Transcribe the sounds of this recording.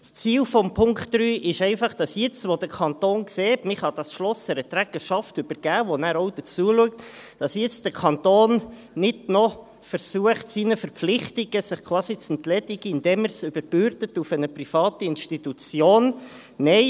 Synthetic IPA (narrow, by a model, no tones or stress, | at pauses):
st͡siːlfɔmpʰʊŋktːɾyːʔɪʃɛɪfɑχd̥ɑsjɪt͡stʋod̥̪əkʰɑnt̪oːnkseːtmɪχhɑd̥ɑsʃlɔsɛɾət̪ɾæɡ̥əʃɑftʏb̥əɾɡ̥æːʋonæːɾɔʊd̥̪ət͡suəluək̚t | d̥ɑsjɪt͡sd̥əkʰɑnt̪oːn | nɪdnɔ | fəɾsuəχtsiːnəfəɾpp͡flɪχtiɡ̥əsɪχkʰwɑːsit͡sɛntlɛdɪɡ̥əɪnd̪ɛːməɾsʏb̥əɾb̥øɾtətufənəprifɑːtiɪnʃtit̪ut͡sjoːn | nɛɪ